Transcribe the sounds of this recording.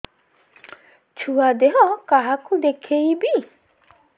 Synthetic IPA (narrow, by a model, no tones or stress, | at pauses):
t͡ʃʰuad̪eɦɔkaɦakud̪ekʰejbi